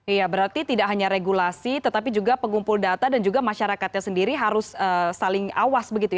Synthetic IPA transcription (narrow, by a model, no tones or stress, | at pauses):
ijabəɾart̪it̪idaʔɦaɲaɾeɡulasit̪ət̪apid͡ʒuɡapəŋumpʊldat̪adand͡ʒuɡamaʃaɾakat̪̚ɲasəndiɾiɦaɾʊsəːsalɪŋawasbəɡit̪uj